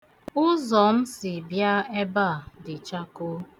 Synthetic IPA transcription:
ʊ˦zɔ˨m̩˦sɪ˨bja˦e˦ba˦˨dɪ˨t͡ʃa˦ko˦

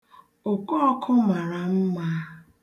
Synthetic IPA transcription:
ʊ˨kɔ˦ɔ˦kʰʊ˦ma˨ɾa˨m̩˦ma˦

